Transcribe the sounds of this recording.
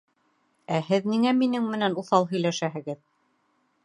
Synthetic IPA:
æɦɘðniŋæminɘŋmɘ̆nænuθɑlˠɦɵ̆jlæʃæɦɘ̆ɡɘð

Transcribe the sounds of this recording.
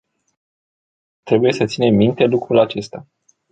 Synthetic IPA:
t̪ɾe̞buje̞sət̪sine̞mːint̪e̞lukɾulat͡ʃe̞st̪a

